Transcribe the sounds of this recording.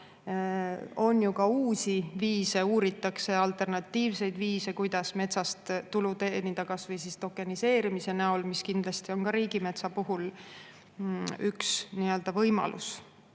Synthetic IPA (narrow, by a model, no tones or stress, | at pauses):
o̞njukɑuːsiviːse̞uːɾit̪ːˑɑkse̞ɑlt̪ˑe̞rnɑt̪ːiːvse̞jd̪viːse̞kujd̪̥ɑsme̞t̪sɑst̪t̪ːulut̪eːnit̪ɑkɑsvɤjsist̪o̞kːˑenise̞ːɾimise̞næolmiskind̪lɑst̪io̞nkɑɾiːɡime̞t̪sɑpuɦul | yksniøld̪̥ɑvɤjmɑ̰lʔṵs